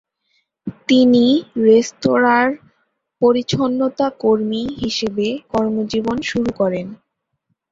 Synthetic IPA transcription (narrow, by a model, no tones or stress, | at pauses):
t̪iniɾest̪oɾaɾ | poɾit͡ɕʰonːot̪akoɾmiɦiʃebekɔɾmod͡ʑibonʃuɾukɔɾen